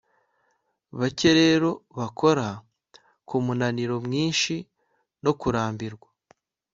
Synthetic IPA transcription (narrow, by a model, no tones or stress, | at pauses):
βace̞ɾeɾo̞βakʰo̞ɾa | kumunaniɾo̞mŋiːnʃi | no̞kuɾaːmbiɾɡwa